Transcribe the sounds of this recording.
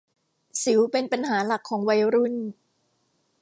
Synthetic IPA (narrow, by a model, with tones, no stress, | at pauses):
si˨˩˦wpe˧npa˧nɦaː˩˦la˨˩kʰːɔː˩˦ŋwa˧˥jɾu˥˩n